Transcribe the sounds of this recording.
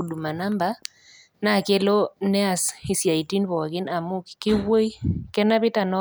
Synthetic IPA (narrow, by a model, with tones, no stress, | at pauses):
u˨du˨ma˨na˦mba˦ | na˦˨ke˦lo˦nɛ˦a˨si˨sja˨i˨ti˦nbɔ˨kɪ˦na˨mʊ˦kkɪ˦wo˦i˦kɛ˦na˦βɪ˦ta˨nɔ˦